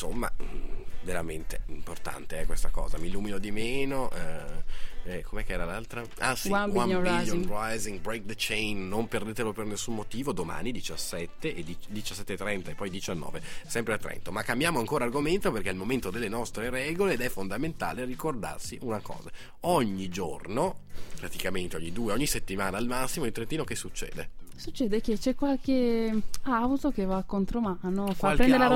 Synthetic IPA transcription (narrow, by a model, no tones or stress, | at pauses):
nsomːa̰veɾament̪eimport̪a̰nt̪eɛkwest̪akɔ̰ːzamiluːminod̪imeːnoʔɛ | ɛkomeɛkːɛːɾalalt̪ɾa | asiaailjonɾajziŋbɾejk̚d̪ət͡ʃejnːomperd̪eːt̪elopernesːummːot̪iːvod̪oma̰ːnid̪it͡ʃasːɛt̪ːeʔed̪id̪it͡ʃasːɛt̪ːet̪ːɾɛnt̪aepːɔjd̪it͡ʃanːɔ̰ːvesɛmpɾeat̪ːɾɛ̰nt̪omakːambjaːmoaŋkoːɾarɡoment̪operkɛilmoment̪od̪elːenɔst̪ɾeɾɛːɡoleːd̪ɛfond̪ament̪a̰ːlerikord̪a̰rsiʔunakɔ̰ːza | ɔɲːid͡ʒo̰rnopɾat̪ikament̪eɔɲːid̪uːeɔɲːiset̪ːimaːnaːlmasːimoilt̪ɾent̪iːnokesːut͡ʃːɛ̰ːd̪ḛsut͡ʃːɛːd̪ek̟et͡ʃɛkwalke | awt̪ok̟evakːont̪ɾomanofkaalpɾɛnd̪eɾa